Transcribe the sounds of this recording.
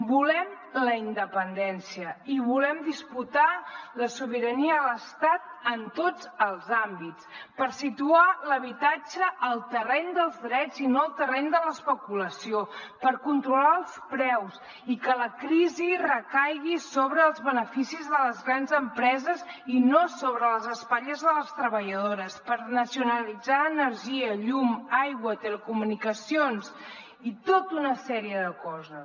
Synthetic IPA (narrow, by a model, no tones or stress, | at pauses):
bulɛm | ləind̪əpənd̪ɛnsiəiβulɛmd̪isput̪aləsuβ̞iɾəniələst̪at̪̚ənt̪od͡zəlˠzambit͡spəɾsit̪ualəβit̪ad͡ʒəʔːlˠt̪ərɛnd̪əlˠzðɾɛd͡zinoəlˠt̪ərɛnd̪ələspəkuləsiopəɾkunt̪ɾulaəlˠspɾɛws | ikələkɾizirəkajɣisoβɾəːlˠzβənəfisizðələzɣɾanzəmpɾɛzəzinosoβɾələzəspaʎəzðələst̪ɾəβəʎəðoɾəspəɾnəsiunəlid͡zaənəɾʒiəʎumajɣwət̪ələkumunikəsions | it̪ot̪unəsɛɾiəðəkɔzəs